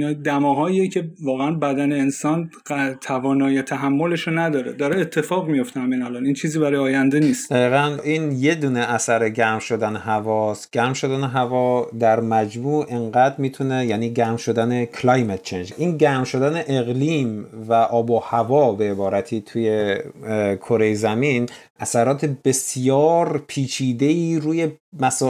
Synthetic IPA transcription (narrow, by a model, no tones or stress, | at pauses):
ind̪æmɒːɦɒːiecʰe̞vɒːɣeænbæd̪æne̞ːnsɒːn | t̪ʰævɒːnɒːjet̪ʰæɦæmːo̞le̞ʃonæd̪ɒːɾed̪ɒːɾeet̪ʰːe̞fɒːɣmijo̞ft̪ehæmenælɒnint͡ʃʰiːziːbæɾɒːjɒːjænd̪eniːst̪d̪̥æiːɣæniːnje̞d̪uːneʔæsæɾeɟæmʃo̞d̪æneɦævɒːst̪ɟ̥æɾmʃo̞d̪æneɦævɒːd̪æɾmæd͡ʒmuːʔe̞ɴɢæd̪ɾmiːt̪ʰunejæːniːɟæmʃo̞d̪ænekʰlɒjmet̪̚ʰt͡ʃʰend͡ʒʔiːnɟæːɾmʃo̞d̪æne̞ʔeɣliːmvæʔɒːbohævɒːbe̞ːbɒːɾæt̪ʰiːt̪ʰuːje̞ | kʰo̞ɾe̞jzæmin | ʔæsæɾɒːt̪ʰe̞be̞sjɒːɾpʰiːt͡ʃʰiːd̪e̞iːɾuːje̞mæsɒː